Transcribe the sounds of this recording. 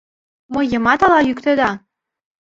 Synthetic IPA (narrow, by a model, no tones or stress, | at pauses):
mɤ̆jːɤ̆mɑt̪ɑlɑjykt̪ə̆d̪ɑ